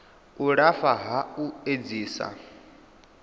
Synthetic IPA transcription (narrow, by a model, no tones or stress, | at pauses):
uɺafaɦaued͡ziːsa̰